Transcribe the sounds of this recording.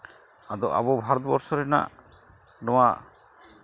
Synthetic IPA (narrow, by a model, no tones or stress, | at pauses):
ad̪ɔʔa̰bɔbʱaɾɔt̪bɔɾsɔɾɛna̰ʔ | nɔwaʔ